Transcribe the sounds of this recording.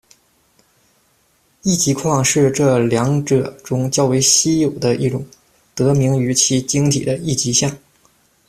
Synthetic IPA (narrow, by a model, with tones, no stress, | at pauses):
i˥˩t͡ɕi˧˥kʰwɑ˥˧ŋʂɻ̩˥˧ʈ͡ʂɤ˥˩ljɑ˧˥ŋʈ͡ʂɤ˨˩ʈ͡ʂʊ˥ŋt͡ɕjɑ˥˧ʊwe˧˥ɪɕi˥jo˨˩ʊd̪ə˦ʔi˥˩ʈ͡ʂʊ˨˩ŋ | t̪ɤ˧˥mi˧˥ŋy˧˥t͡ɕʰi˧˥t͡ɕi˥ŋt̪ʰḭ˨˩d̪ə˦i˥˩t͡ɕi˧˥ɕjɑ˥˩ŋ